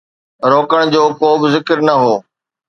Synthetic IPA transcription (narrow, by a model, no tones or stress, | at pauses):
ɾoːkəɽ̃d͡ʑoːkoːbɪzɪkəɾnɐɦoː